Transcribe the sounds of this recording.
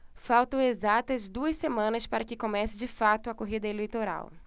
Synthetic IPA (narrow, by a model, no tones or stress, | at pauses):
fawt̪ɐ̃w̃ezat̪ɐzd̪uɐsemɐ̃nɐspaɾɐkɪkomɛsɪd͡ʒɪfat̪ʊɐkoɦid̪ɐelejt̪oɾa̰w